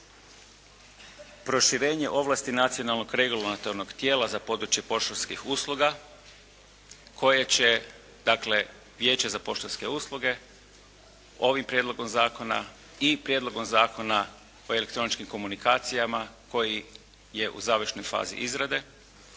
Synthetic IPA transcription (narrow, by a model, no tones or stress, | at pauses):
pɾo̞ʃiɾe̞ːɲe̞ʔo̞ʋlaːst̪inat̪sijo̞nalˠno̞ɡɾe̞ɡulonat̪o̞ɾno̞ɡt̪je̞ːlazapo̞ːd̪ɾut͡ʃje̞po̞ʃt̪olʲskixuːslˠuɡa | kʰo̞jet͡ɕe̞ | d̪̥akle̞ | ʋje̞ːt͡ɕezapo̞ʃt̪olʲske̞uːslˠuɡe̞ | o̞ʋimpɾje̞d̪lo̞ɡo̞mzaːko̞na̰ | ipɾjed̪lˠo̞ɡo̞mzaːko̞na | o̞ele̞kt̪ɾo̞nit͡ʃkimko̞munikaːt̪sijamako̞ji | je̞ʔṵzaːʋərʃnojfa̰ːzḭʔizɾad̪e̞